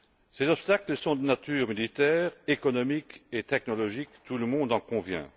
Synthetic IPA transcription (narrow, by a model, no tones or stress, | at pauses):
sezɔpst̪akləsɔ̃d̪ənat̪yːʁmilit̪ɛːʁekɔnɔmiket̪ɛk̚nɔlɔʒikt̪ʰuləmɔ̃d̪ɑ̃kɔ̃vjɛ̰̃